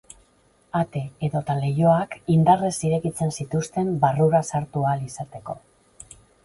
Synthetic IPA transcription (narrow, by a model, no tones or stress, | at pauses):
at̪e̞ːðo̞t̪ale̞jo̞akind̪are̞siɾe̞kit͡se̞nsit̪ust̪e̞mbaruɾasaɾt̪ualisat̪e̞ko̞